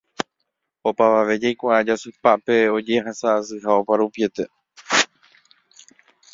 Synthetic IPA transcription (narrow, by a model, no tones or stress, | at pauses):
o̞paʋaʋe̞d͡ʒajkʷaʔad͡ʒasɨpapeo̞d͡ʒe̞ɦasaːsɨɦao̞paɾupie̞t̪e̞